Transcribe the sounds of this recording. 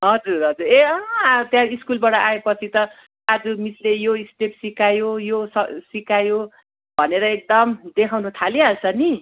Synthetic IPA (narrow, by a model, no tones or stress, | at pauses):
ɦʌd͡zuɾɦʌd͡zureʌɦt̪jãiskulbaʈʌʔaepʌt͡sʰit̪ʌ | ad͡zumit͡slejoisʈepsikajojosʌsikajo | bʱʌneɾʌek̚d̪ʌmd̪ekʰawnut̪ʰalialsʰʌni